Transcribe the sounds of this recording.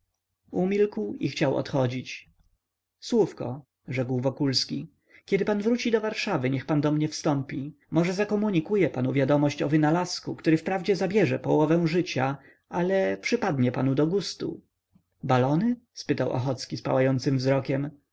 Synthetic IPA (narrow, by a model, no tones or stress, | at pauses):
umʲilkwixt͡ɕawɔ̰t̪xɔd͡ʑit͡ɕ | swufkɔ̰ | ʐɛkwvɔkulskʲi | kʲɛd̪ɘpanvɾut͡ɕid̪ɔvaɾʂavɘɲɛxpand̪ɔmɲɛfst̪ɔmpʲi | mɔʐɛzakɔmuɲikujɛpanuvʲjad̪ɔmɔɕt͡ɕɔvɘnalaskukt̪uɾɘfpɾavd͡ʑɛzabʲjɛʐɛpɔwɔvɛ̃w̃ʐɘt͡ɕa | ʔalɛpʂɘpad̪ɲɛpanud̪ɔɡust̪ṵ | balɔnɘspɘt̪awʔɔ̰xɔt̪skʲispa̰wajɔnt̪sɘmvzɾɔkʲɛm